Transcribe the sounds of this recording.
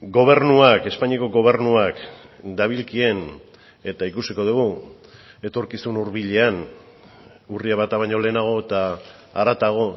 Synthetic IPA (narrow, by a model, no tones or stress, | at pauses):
ɡo̞β̞e̞ɾnuake̞spaɲiako̞ɡo̞βe̞ɾnuak | d̪aβ̞ilkie̞n | e̞t̪aikusiko̞ð̞uɣu | e̞t̪o̞ɾkisunuɾβiʎe̞an | uriaβat̪aβaɲo̞le̞ːnaɣ̞o̞et̪aː | ɾat̪aɣ̞o̞